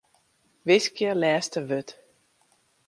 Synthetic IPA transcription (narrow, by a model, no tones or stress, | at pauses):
ʋɪskɪəlɛːstəʋøt